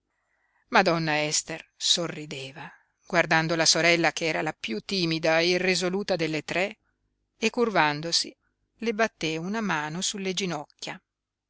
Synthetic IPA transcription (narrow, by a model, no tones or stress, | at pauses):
mad̪ɔnːaɛst̪ersorːid̪eːva | ɡ̥ward̪and̪olasoɾɛlːakeɛːɾalapjut̪ːiːmid̪aerizoluːt̪ad̪elːet̪ɾɛ | ekːurvand̪osi | lebat̪ːeunamaːnosulːed͡ʒinɔkːja